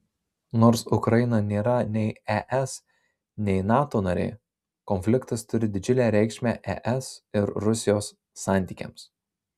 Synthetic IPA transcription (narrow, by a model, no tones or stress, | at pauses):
noːɾsʊkɾɐjɪnɐnʲeːɾɐnʲɛɪɛʔɛs | nʲɛɪnɑːt̪oːnɐɾʲɛ̰ɪ | kɔnʲfʲlʲɪkt̪ɐst̪ʊɾʲɪd̪ʲɪd͡ʒʲʊlʲæːɾʲɛɪkʃʲmʲæːʔɛ̰ʔɛsɪɾɾʊsʲɪjoːsː | ɑˑnʲt̪ʲiːkʲɛ̰ˑms